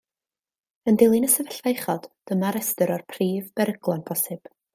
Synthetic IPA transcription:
əndɪlˠɪnəsɛvɛɬvejχɔd̥d̥əmaɾɛstəɾɔrpʰriːvbɛɾəɡlˠɔnbʰɔsɪb̥

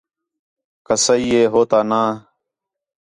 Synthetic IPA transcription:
kəsəiːeːɦoːt̪aːnaː

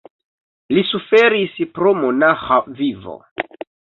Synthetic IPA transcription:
lisufeɾispɾomonaxavivo̰

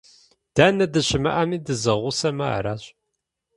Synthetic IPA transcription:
d̥aːnɐdɨɕɪmɐ̰ʔɐmiːdɨzɐʁʷusɐma̰ːɾaːɕʼ

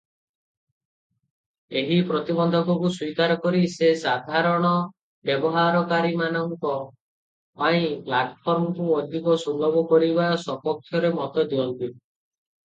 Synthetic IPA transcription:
eɦipɾɔt̪ibɔnd̪ʱɔkɔkuswikaɾɔkɔɾisesad̪ʱaɾɔɽ̃ɔ | bjɔbɔɦaɾɔkaɾimanɔŋkɔ | paĩplaʈpʰɔɾmɔkuɔd̪ʱikɔsɔmbʱɔbɔkɔɾibasɔpɔk̚t̪ʰjɔɾemɔt̪ɔd̪iɔnt̪i

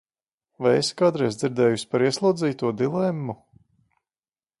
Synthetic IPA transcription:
vajeskad̪ɾɛjzd̪ziɾd̪ɛːjusʲi̥paɾiɛslˠuːd̪ziːt̪uɔd̪ilˠɛmːu

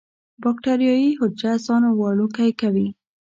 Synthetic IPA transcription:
bɑk̚ʈaɾijɑjihʊd͡ʒd͡ʒazɑnowɑlukajkawi

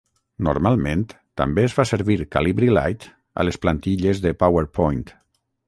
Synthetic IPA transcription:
nṵɾmalˠmẽnt̪ | t̪ːa̰mbeːzfaseɾβiɾkaliβɾila̰jt̪ | a̰lesplant̪iʎezðepaweɾpʰɔjnt̪

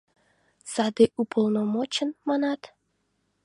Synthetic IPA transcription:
sɑd̪eʔupʰolˠnomot͡ɕənmɑnɑt̪

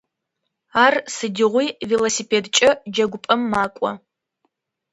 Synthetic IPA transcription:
aːrsɨdɪʁʷijvilosiːpʰeːdt͡ʃʼɐd͡ʒɐɡʷʊpʼɐmːaːkʷʼɔ̰

